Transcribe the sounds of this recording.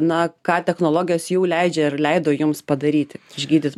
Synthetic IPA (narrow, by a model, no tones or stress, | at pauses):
nɐkɑːt̪ʲɛxnoːlˠoːɡʲɪjoːsjuːlʲɛɪd͡ʒʲɛɪrlʲɛɪd̪oːjʊmspɐd̪ɐɾʲiːt̪ʲɪɪʒʲɡʲiːd̪ʲɪt̪